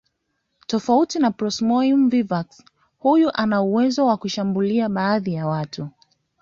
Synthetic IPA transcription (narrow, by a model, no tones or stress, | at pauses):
tɔfautinapɾɔsmɔjumvivaks | hujuʔanauwɛzɔwakuʃambuliaɓaːðijawatu